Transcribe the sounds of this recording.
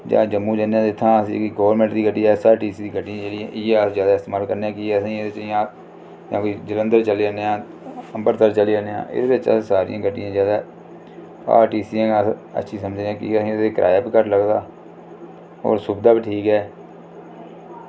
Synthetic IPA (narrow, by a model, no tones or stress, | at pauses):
d͡ʒã̰ːd͡ʒəmːũːd͡ʒənãːd̪ɪt̪ʰːãːəsḭ̃ːkiɡoːʋɾmɛ̃ɳʈd̪iːɡəʈːiːaːsaːɾʈiːsiːd̪iːɡəʈːiãːd͡ʒeːɽiãːʔɪad͡ʒjaːd̪aːɪst̪eːmaːlkəɾneãːkiɛːsĩːed̪eːt͡ʃːãː | kãːkid͡ʒɪlə̃nd̪əɾt͡ʃəleːaneːãː | əmbəɾt̪əɾt͡ʃəleːəːneã̰ːʔɪ̰d̪eːbɪt͡ʃə̰sːsaːɾḭãːɡəʈːijãːzjaːd̪aː | a̰ːɾʈiːsiːãːə̰tːʃʰiːsəməd͡ʒneãːkiəsĩːdːkɾʔa̰ːjaːpiːkəʈləɡd̪aː | o̰ːɾsʊbd̪aːbiːʈʰiːkɦɛː